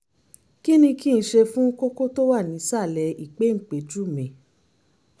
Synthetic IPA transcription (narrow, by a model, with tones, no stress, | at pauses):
ki˦nĩ˧ki˦˨n̩˧˦ʃe˧fũ˦ko˦ko˦to˦wa˦˨nĩ˨˦sa˦˨lɛ˨˧i˨k͡pe˨˦ŋ̩˨k͡pe˨˦d͡ʒu˦˨mɛ̃˨